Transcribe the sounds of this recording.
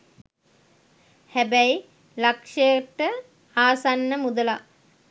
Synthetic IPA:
hæbæji | lakʂəjəʈə | aːsanːəmud̪əla

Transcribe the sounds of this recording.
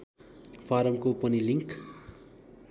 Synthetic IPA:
pʰaɾʌmkopʌniliŋk

